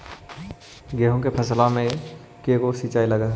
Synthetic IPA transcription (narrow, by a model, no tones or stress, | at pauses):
ɡeːɦõkepʰɐslamẽ | kekosiːt͡ʃaːilɐɡaː